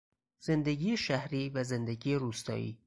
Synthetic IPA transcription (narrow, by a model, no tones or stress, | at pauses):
z̥e̞nd̪eɡiːjeʃæhɾiːvæzend̪eɟiːjeɾuːst̪ɒ̰ːḭː